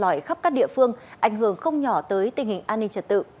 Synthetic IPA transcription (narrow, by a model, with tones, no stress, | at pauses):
lɔ˨˧˩jxa˦˥p̚kaː˦˥k̚ɗḭ˧˨əfɨ˧əŋʔa˧˩jŋhɨ˧˩əŋxə˧wŋ͡mɲɔ˧˩t̪əː˨˦jt̪ï˨˩ŋ̟hï˨˩ŋ̟ʔaː˧nːï˧t͡ɕə˨˧˩t̚t̪ɨ̰˧˨